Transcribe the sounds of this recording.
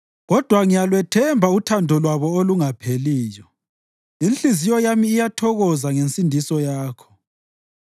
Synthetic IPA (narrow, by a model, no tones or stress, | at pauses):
ɣɔd̥ʱwaŋijalwɛtʰɛmbʱautʰandʱɔlwaβɔoluŋapʰeliːjɔ | inɬizijɔjamiːjatʰɔɣɔzaŋensʼindʱisɔjaːkʰɔ̥